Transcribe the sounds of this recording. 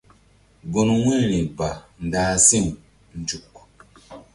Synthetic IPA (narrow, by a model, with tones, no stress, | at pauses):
ɡo˨nu˨wi˦˨ɾi˨ba˨n̩˨daː˦si˦ŋ | n̩˨d͡ʒu˨k